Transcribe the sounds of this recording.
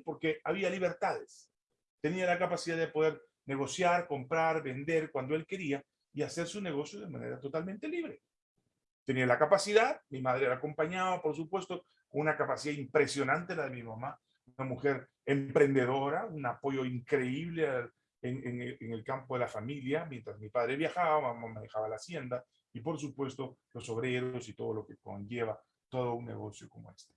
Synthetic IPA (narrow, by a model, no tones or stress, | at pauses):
po̞ɾkeaβialiβ̞e̞ɾt̪aðes | t̪e̞nialakapasiðaðepo̞ðe̞ɾ | ne̞ɣo̞sjaɾko̞mpɾaɾbe̞nd̪e̞ɾkwand̪oelke̞ɾia | iase̞ɾsune̞ɣo̞sjoðe̞ma̰nḛɾat̪o̞t̪alment̪e̞liβɾe̞ | t̪enialakapasiðaðmimað̞ɾeeɾako̞mpaɲaβapo̞ɾsupwe̞st̪o̞ | ko̞nunakapasiðaimpɾe̞sjo̞nant̪e̞laðemimama | unamuxe̞ɾ | empɾe̞nd̪e̞ðo̞ɾaunapo̞ʝo̞iŋkɾe̞iβleal | eŋeŋeeŋelkampoðe̞lafamiljamje̞nt̪ɾazmipaðɾe̞βjaxaβamamamaðe̞xaβalaːsje̞nd̪a | ipo̞ɾs̬upwe̞st̪o̞lo̞so̞β̞ɾe̞ɾo̞sit̪o̞ð̞o̞lo̞ke̞ko̰ɲd͡ʒe̞β̞a | t̪o̞ð̞o̞unnːe̞̰ɣo̞sjo̞ko̞mo̞̰e̞st̪e